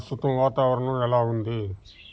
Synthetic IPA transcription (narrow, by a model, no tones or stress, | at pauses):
st̪ut̪ɐmʋaːt̪aːʋɐɾɐɳɐmɛlaːund̪i